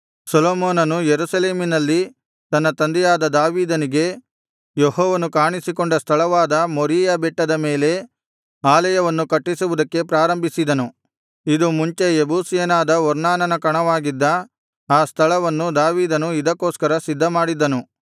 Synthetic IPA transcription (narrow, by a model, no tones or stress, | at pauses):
sɐloːmoːnɐnujeɾusɐle̞ːminɐlːi | t̪ɐnːɐt̪ɐnd̪ɛjaːd̪ɐd̪aːʋiːd̪ɐniɡe̞ | jehɔːʋɐnukaːɳisikoɳɖɐst̪ʰɐɭɐʋaːd̪ɐmoɾiːjabɛʈːɐd̪ɐme̞ːle̞ | aːlɐjɐʋɐnːukɐʈːisuʋud̪ɐkːe̞pɾaːɾɐmbʱisid̪ɐnu | id̪umuɲt͡ʃe̞ebʱuːsijɐnaːd̪ɐɔɾnaːnɐnɐkɐɳɐʋaːɡid̪ːɐ | aːst̪ʰɐɭɐʋɐnːud̪aːʋiːd̪ɐnuid̪ɐkːoːskɐɾɐsid̪ʱːɐmaːɽid̪ːɐnu